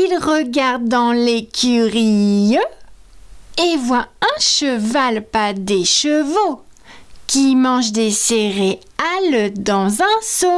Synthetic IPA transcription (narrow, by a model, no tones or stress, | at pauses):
ilʁəɡaʁd̪̚ːɑ̃lekʲʰyʁi | evwaɛ̃ʃəvalpad̪eʃəvo | kʲimɑ̃ʒd̪eseʁe | ald̪ɑ̃zɛ̃so